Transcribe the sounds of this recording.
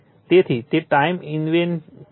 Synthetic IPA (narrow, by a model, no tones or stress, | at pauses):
t̪it̪ʰit̪ip̚ʈajminwen